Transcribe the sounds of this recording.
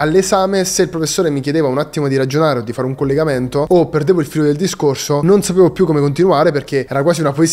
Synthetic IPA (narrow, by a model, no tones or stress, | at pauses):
alːesaːmeseilpɾofesːoːɾemik̬jed̪eːvaunat̪ːimod̪iɾad͡ʒonaːɾeod̪ːifaːɾeuŋkolːeɡament̪oopːerd̪eːvoilfiːlod̪eld̪iskorsononsapeːvopjukːomekont̪inuaːɾeperk̟eɛːɾak̬waːsiunapoes